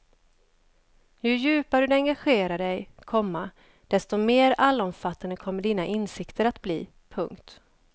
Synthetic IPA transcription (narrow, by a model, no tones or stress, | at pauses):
jɵjʉ̟ːpaɖɵd̪ɛɛŋɡaɧeːɾaɖɛjkʰɔmːa | d̪̥ɛst̪ɔmeːɾalːaɔmfat̪ːand̪əkʰɔmːəɖiːnaʔɪnsɪkt̪ʰəɾat̪bliː | pʰɵŋkt̪